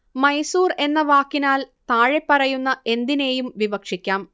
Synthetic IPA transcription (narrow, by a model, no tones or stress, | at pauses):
mɐjsuːre̞nːɐʋaːkːinaːlt̪aːɻepːɐrɐjunːɐʔe̞nd̪ine̞ːjumʋibɐkʂikʲːaːm